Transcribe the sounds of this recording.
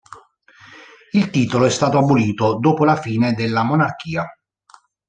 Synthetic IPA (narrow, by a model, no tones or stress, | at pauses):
ilt̪iːt̪oloɛst̪aːt̪oabːoliːt̪od̪oːpolafiːned̪elːamonark̟iːa